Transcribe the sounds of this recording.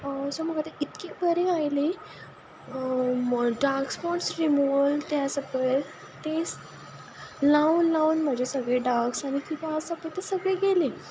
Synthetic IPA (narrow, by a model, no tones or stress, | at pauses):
som̤əɡat̪eit̪kebʱəɾẽajle | ɖaɡspɔʈsɾimuʋlt̪jasəpəj | t̪e | lauːnlauːnm̤əd͡ʑʱesəɡɭeɖaɡsañikit̪ãːsəpət̪esəɡɭeɡele